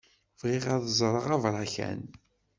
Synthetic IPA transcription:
vʁiʁaðəzˤɾˤəʁavɾˤɑçæ̰n

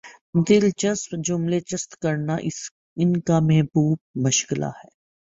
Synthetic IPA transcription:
d̪ɪlt͡ʃɐspd͡ʒʊmlet͡ʃɐst̪kɐɾnaʔɪ | ɪnkamɛɦbuːb̚mʊʃkɪla̰hɛː

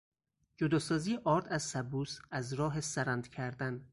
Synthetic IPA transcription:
d͡ʒod̪ɒːsɒːzijeʔɒːɾd̪æzsæbuːsæzɾɒːɦesæɾænd̪cʰæɾd̪æn

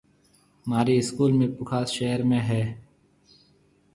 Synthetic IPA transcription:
maːɾeɪskuːlmẽːpʊkʰaːsʃeːəɾmẽɦɛː

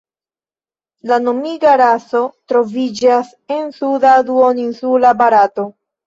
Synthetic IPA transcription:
lano̞miɡaɾaso̞tɾo̞vid͡ʒas | e̞nsudaduoninsulabaɾato̞

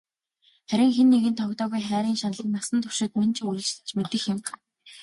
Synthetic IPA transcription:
χæɾʲɪ̆ŋxenːeɣɘ̆nt̪ʰɔkt̪ɔːɣujχæːɾʲiːŋʃanɮə̆nːasə̆nt̪ʰɵ̥ʃɪ̆t̪̚manʲt͡ɕʰɪɣuɾɘ̆ɮt͡ɕsɘ̥̆t͡ɕmet̪ɘ̆xɪ̆mɢ

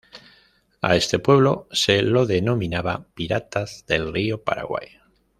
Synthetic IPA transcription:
a̰e̞st̪e̞pwe̞βlo̞selo̞ðe̞no̞mĩnaβapiɾat̪azðe̞lriopa̰ɾa̰ɣwa̰j

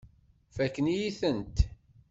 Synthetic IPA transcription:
fækːənjiθənt̪

